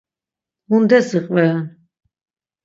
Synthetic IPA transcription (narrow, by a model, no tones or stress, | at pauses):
und̪ɛsiqʼvɛn